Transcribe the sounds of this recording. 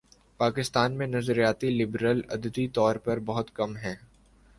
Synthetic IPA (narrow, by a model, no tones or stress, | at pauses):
paːkɪst̪aːnmẽnɐzɾijaːt̪ilɪbɾəlɐd̪əd̪it̪ɔːɾpɐɾbɐɦʊt̪kɐmɦɛ̃ː